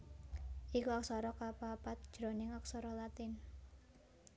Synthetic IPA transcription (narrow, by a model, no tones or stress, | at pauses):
ʔikuak̚sɔɾɔkapapat̪̚d̥ʒ̥ɾonɪŋak̚sɔɾɔlat̪ɪn